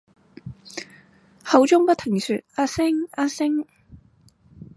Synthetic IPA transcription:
hɐ˨˧˥wt͡sʊ˥ŋpɐ˥t̪ʰɪ˨˩ŋsyː˨t̚aː˥sɪ˥ŋaː˧˥sɪ˥ŋ

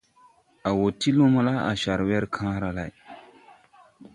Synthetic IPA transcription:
a˨wo˨ti˦lo˦ma˦la˦a̰˨ʃa˨ɾwɛ˦ɾkʰãː˦ɾa˨la˨

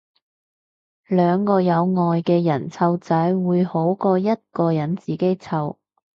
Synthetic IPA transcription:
lœː˨˧ŋkɔː˧jɐ˨˧wŋɔː˨˧jkɛː˧jɐ˨˩nt͡sʰɐ˧wt͡sɐ˨˥jwuː˨˧jho˨˥wkɔː˧jɐ˥t̚kɔː˧jɐ˨˥nt͡siː˨ke˥jt͡sʰɐ˧w

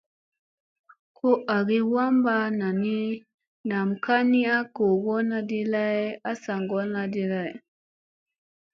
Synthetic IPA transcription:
kʰo˦ʔa˨ɡi˦wa˦mba˦na˨ni˦ | na˨mka˦ni˦a˦ko˨ɡo˦na˦di˦la˦ja˦sa˨ŋɡo˦na˦di˦la˦˨j

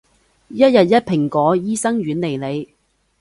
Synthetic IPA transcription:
jɐ˥t̚jɐ˨t̚jɐ˥t̚pʰɪ˨˩ŋkɔː˨˥jiː˥sɐ˥ŋɥyː˨˥nle˨˩jle˨˧j

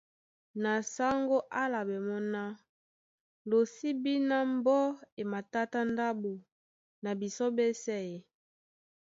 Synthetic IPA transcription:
na˨sa˦ŋɡo˦ʔa˦la˨be˨mɔ˦na˦ | lo˨si˦bi˦na˦mbɔ˦e˨ma˨ta˦ta˦nda˦bo˨ | na˨bi˨so˦be˦sɛ˦˨e˨

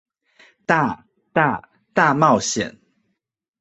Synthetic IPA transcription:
t̪a˥˧ | t̪a˥˧ | t̪a˥˧mɑ˥˨ʊɕjɛ̰˨˩˦n

